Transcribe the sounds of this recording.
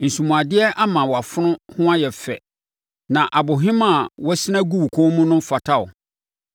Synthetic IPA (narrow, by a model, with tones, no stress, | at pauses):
n̩˨sũ˨mũ˨a˨dɪ˦ɛ˦ʔa˦mã˨wɔ˨a˨fʊ˦nʊ̃˦hʊ̃˦a˦jɛ˨fɛ̰˨ | nã˨ʔa˨bʊ˨ɦɪ̃˦mã˨wɔ˦sɪ˦nã˦ɡu˦wu˨kʰɔ̃˦mũ˦nʊ̃˦fa˨tʰa˦ʊ̰˨